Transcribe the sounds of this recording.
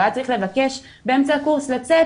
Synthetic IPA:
at͡saʁiχle̞vake̞ʃ | beemt͡sakuʁslat͡se

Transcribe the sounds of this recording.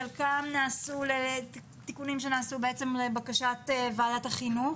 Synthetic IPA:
alkamnaːsule | tikunimʃe̞naːsube̞et͡semlebakaʃatvaːdathaχinu

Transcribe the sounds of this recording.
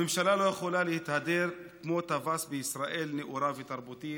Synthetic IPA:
emʃalalo̞jeχolalehit̪had̪e̞ɾkmo̞t̪avasbeisɾaʔe̞lneʔuɾavet̪aʁbut̪i

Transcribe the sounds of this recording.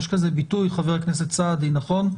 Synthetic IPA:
ʃkazebitujχaveʁaknes̬et̪t͡sad̪inaχo̞n

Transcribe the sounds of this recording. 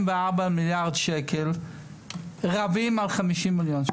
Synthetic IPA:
mvɛaʁbamɪljaʁdʃɛkɛl | ʁavimalˠχamiʃimːɪljonʃ

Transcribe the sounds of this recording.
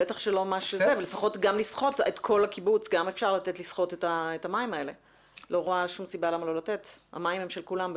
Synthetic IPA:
betaχʃelo̞maʃezevelefaχo̞tɡamlisχo̞tetkʰo̞lakibut͡sɡame̞fʃaʁlatetlisχo̞tetaetamaimae̞le̞ | lo̞ʁoaʃumsibalamalo̞late̞tha̰maimemʃe̞lkulam

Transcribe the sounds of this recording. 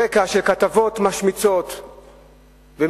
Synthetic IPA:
ekaʃe̞lkat̪avo̞t̪maʃmit͡so̞t̪ | ve

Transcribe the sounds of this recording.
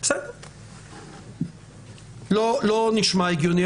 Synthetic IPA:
besɛd̪eʁ | loloniʃmaeɡjoni

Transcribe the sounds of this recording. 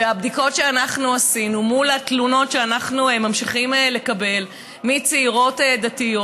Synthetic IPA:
eabdiko̞tʃeanaχnuasinumulatluno̞tʃeanaχnuemamʃiχimele̞kabe̞l | mit͡seiʁo̞tedatijo

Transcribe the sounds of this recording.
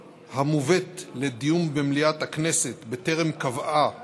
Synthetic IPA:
hamuvet̪le̞d̪ijumbemliat̪hakne̞se̞t̪bet̪e̞ʁemkavʔa

